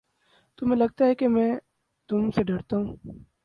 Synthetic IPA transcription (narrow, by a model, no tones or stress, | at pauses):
t̪ʊmẽlɐɡ̚t̪aɦɛkemɛ̃ː | t̪ʊmseɖɐɽt̪aɦũː